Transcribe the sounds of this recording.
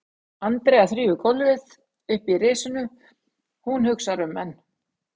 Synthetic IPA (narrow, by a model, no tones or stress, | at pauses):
ant̪ɾɛːaθɾiːvʏkʰɔlvɪð | ʏhpireːsʏnʏ | hunhʏksaɾʏmːɛnː